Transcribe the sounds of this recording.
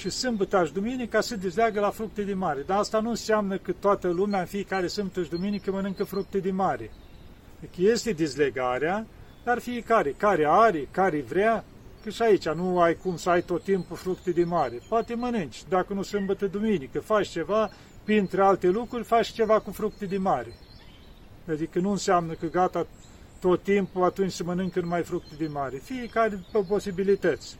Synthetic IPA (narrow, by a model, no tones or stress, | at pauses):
ʃisɨmbət̪aʃd̪uminikasəd̪ezleaɡəlafɾuk̚t̪ed̪inmaɾe̞d̪aast̪anuɨnseamnəkət̪oat̪əlumeaɨnfijekaɾesɨmbət̪aʃʲd̪uminikəmənɨŋkəfɾuk̚t̪ed̪inmaɾe | fekəje̞st̪e̞d̪izleɡaɾea | d̪̥arfijekaɾe̞kaɾeaɾekaɾevɾea | kəʃait͡ʃanuajkumsəajt̪ot̪ːimpufɾukt̪ed̪emaɾepoat̪emənɨnt͡ʃʲd̪akənusɨmbət̪əd̪uminikəfat͡ʃt͡ʃe̞va | pint̪ɾealt̪elukɾurʲfat͡ʃt͡ʃe̞vakufɾuk̚t̪ed̪inmaɾe | ad̪ikənuɨnseamnəkəɡat̪a | t̪ot̪ːimpuat̪unt͡ʃʲsəmənɨŋkəɨnmajfɾuk̚t̪ed̪inmaɾefijekaɾepəpo̞sibilit̪ət̪sʲ